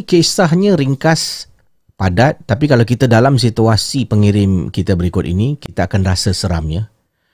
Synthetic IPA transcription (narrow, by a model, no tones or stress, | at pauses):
kesaɦɲãɾiŋkas | padat̪ːapikalawkit̪adalams̬it̪uasipəŋiɾɪmkit̪abəɾikʊt̪ḭnikit̪aakanrasasəɾa̰mɲa